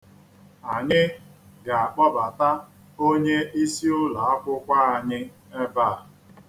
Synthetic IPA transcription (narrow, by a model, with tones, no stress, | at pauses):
a˨ɲɪ˦ɡa˨a˨k͡pɔ˦ba˨ta˦ | o˦ɲe˦i˦si˦ʊ˦la˨a˦kʷʊ˦kʷa˦a˨ɲɪ˦ | e˦ba˦˨a˨